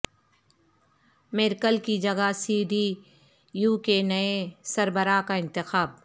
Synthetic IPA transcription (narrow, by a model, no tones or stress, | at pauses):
mɪɾkəlkid͡ʒɐɡasiːɖi | juːkenɐesɐɾbəɾakaɪ̃nt̪ɪxaːb̚